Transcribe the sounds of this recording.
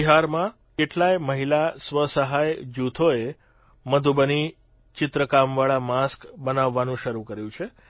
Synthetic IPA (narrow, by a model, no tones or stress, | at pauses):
iɦaɾmã | keʈlajməɦilasʋəsəɦajd͡ʒut̪ʰoe | məd̪ʱubəni | t͡ʃɪt̪ɾəkamʋaɭamaskbənaʋːanũʃəɾukəɾjũt͡ʃʰe